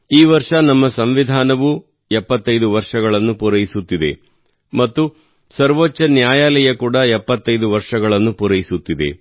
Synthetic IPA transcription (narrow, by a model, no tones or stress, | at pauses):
iːʋɐɾʂɐnɐmːɐsɐmʋid̪ʱaːnɐʋu | ɛpːɐt̪ːɐjd̪uʋɐɾʂɐɡɐɭɐnːupuɾɐjisut̪ːid̪e̞̰ | mɐt̪ːu | sɐɾʋot͡ʃːɐnjaːjaːlɐjɐkuːɽɐɛpːɐt̪ːɐjd̪uʋɐɾʂɐɡɐɭɐnːupuɾɐjisut̪ːid̪e̞̰